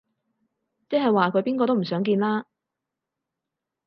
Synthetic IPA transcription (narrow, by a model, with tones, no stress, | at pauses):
t͡sɛː˥ɦɐ˨jwaː˨kʰɵ˨˧˥piː˥nkɔː˧t̪o˥m̩˨˩sœː˨˥ŋk̬iː˧nlaː˥